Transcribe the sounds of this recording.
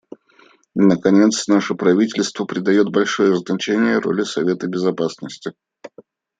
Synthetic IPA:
nəkɐnʲe̞t̪snaʂəpɾɐvʲitʲɪlʲst̪vəpɾʲɪd̪ɐjo̞t̪̚bɐlʲʂo̞jəznɐt͡ɕænʲɪjəɾo̞̰lʲɪsɐvʲe̞t̪əbʲɪzɐpasnəsʲtʲɪ

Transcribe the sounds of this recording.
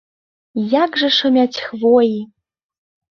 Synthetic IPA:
jakʐɐʂɐmʲatʲxvoji

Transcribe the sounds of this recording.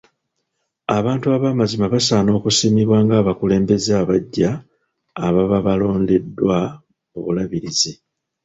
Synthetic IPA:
aβaːntuaβamazimaβasaːno̞ːkusimiβwaːŋɡaːβakule̞ːmbe̞zaβaɟːaː | βaβaβalo̞ːnde̞dːwa | oβulaβiɾizi

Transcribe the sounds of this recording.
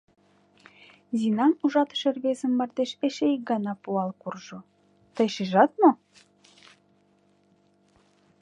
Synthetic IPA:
zinɑnuʒɑt̪ə̥̆ʃerβezə̆mːɑrd̪eʃeʃeik̚ɡɑnɑpuɑlkurʒo | t̪əjʃiʒɑt̪̚mo

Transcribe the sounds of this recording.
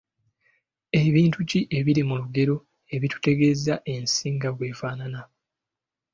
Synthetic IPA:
e̞βiːntuciʔe̞βiɾimuluɡe̞ɾo̞ | e̞βitu̥te̞ɡe̞zaʔe̞nsiːŋɡaɡwe̞ːfaːnana

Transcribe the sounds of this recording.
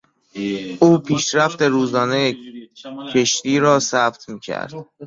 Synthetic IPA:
ʔuːpʰiːʃɾæft̪e̞ɾuːzɒːneje | cʰe̞ʃt̪iːɾɒːsæbt̪ʰmiːcʰæ̰ɾd̪̥

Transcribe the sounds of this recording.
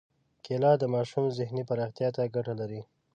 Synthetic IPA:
kelɑd̪əmɑʃumzɪhnipaɾɑxt̪jɑt̪aɡaʈalaɾi

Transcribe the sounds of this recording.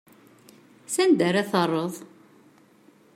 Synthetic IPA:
sænd̪æɾæθərˤːəðˤ

